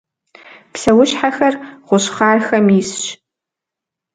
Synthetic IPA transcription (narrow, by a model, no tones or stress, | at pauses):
psɐwʊɕħaxɐrʁʷʊɕχaːrxɐmisɕ